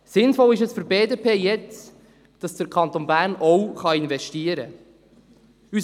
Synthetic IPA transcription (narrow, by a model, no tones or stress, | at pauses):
sɪnfɔlɪʃ̬ɛsfʏɾbeːdepʰeːjɛt͡s | d̥ɑsd̥əɾkʰɑnt̪onbæːɾnɔwχɑɪnvɛʃtiəɾə̰ | ys